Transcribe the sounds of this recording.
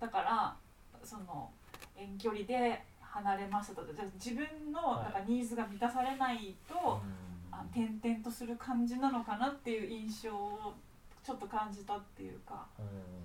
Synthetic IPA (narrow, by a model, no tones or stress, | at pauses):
d̪̥akaɾa | so̞no̞̰ | ẽ̞ŋk̬ʲo̞ɾʲid̪e̞ | hanaɾe̞maɕit̪at̪oed͡ʑad͡ʑibɯ̟̃nːo̞d̪akaɲ̟iːzɨɡamʲit̪asaɾe̞nait̪o̞ant̪ẽ̞nt̪ẽ̞nt̪o̞sɨɾɯ̟kʰãɲ̟d͡ʑinano̞kanat̪ːe̞jɯ̟ʔĩɰ̃ɕo̞ː | t͡ɕo̞t̪ːo̞kãɲ̟d͡ʑit̪at̪ːe̞̰jɯ̟̰ka̰